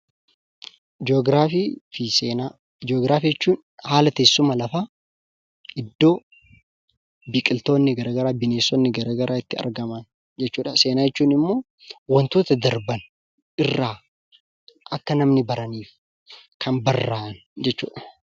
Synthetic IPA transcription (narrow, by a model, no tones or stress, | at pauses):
d͡ʒoɡɾaːfifiseːna | d͡ʒoːɡɾaːfiːjɛt͡ʃːuːn | haːlɐt̪eːsːʊmɐlɐfaː | ʔɪd̪ːo̞ː | bikʼɪlt̪o̞ːnːɪɡɐɾɐɡɐɾaːbɪneːsːɔnːɪɡɐɾɐːɡɐɾʔaːɪt̪ːɪɐ̰ɾɡɐmɐn | d͡ʒɛt͡ʃːuːᶑɐse̞ːnaːjɛt͡ʃːuːnɪmːo̞ː | wɐnt̪uːt̪ɐd̪ɐɾbɐn | ʔɪrːaː | ʔɐkːɐnɐmnɪbɐɾɐniːf | kʰɐnbɐrːaːʔn | d͡ʒɛt͡ʃːṵːᶑɐ̥